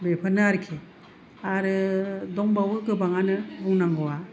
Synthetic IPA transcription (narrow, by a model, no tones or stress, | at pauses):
bepʰɯnaɾkʰi | aɾɯdɔŋbawɯɡɯbaŋanɯbuŋnaŋɡɔwa